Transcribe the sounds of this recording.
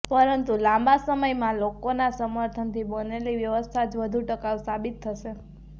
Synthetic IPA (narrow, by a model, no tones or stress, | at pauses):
pəɾənt̪ulãmbasəməjmãlokonasəməɾt̪ʰənt̪ʰibəneliʋjəʋəst̪ʰad͡ʒʋəd̪ʱuʈəkaʋsabit̪ʰːəʃe